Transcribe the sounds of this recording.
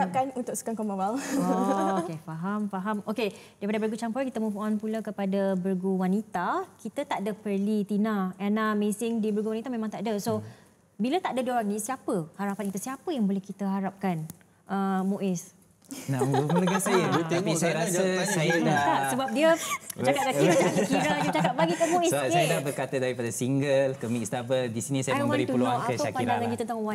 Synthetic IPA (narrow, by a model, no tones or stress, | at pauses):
ap̚kanunt̪ʊk̚sə̥kaŋkomawalɔokefaɦamfaɦamokedaipadabəɾɡut͡ʃampɔrkit̪əmũfɔnpulakəpadabərɡuwanit̪akit̪ət̪aʔdəpərlit̪inaɛnamesɪŋdibərɡuwanĩt̪amẽmãŋt̪aʔdaso | bilat̪aʔdadioɾaŋnĩsiapəhaɾapankit̪əsiapəjaŋbolɛhkit̪əɦaɾap̚kan | ʔəmõʔɪs | nambəulukansajaut̪apisajaɾasəsajadakasəbap̚diət͡ʃakat̪̚t͡ʃaiat͡ʃakkiɾaut͡ʃakat̪̚baɡik̪amoɪsasajadabərkat̪adaɾipadasiŋɡəlkəmikst̪abəldisinisajaŋwbəɾit̪uuluanakəəʃakpainɾdaŋanjət̪ənt̪aŋwa